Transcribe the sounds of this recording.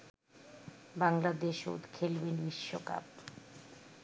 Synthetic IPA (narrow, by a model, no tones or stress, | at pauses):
baŋlad̪eʃo̰t̪kʰelbenbiʃːoka̰p